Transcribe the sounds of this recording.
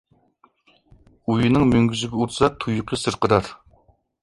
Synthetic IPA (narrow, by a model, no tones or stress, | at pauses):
ujinɨŋmøŋɡʲyzɪɡʲɛuɾsɑt̪ʰujuqʰɨsɨɾqəɾɑɾ